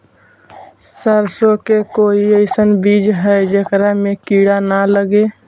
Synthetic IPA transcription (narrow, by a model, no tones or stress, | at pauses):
səɾsokekoiəɪsənbid͡ʒɦɛjd͡ʒekɾamekiɽanaləɡe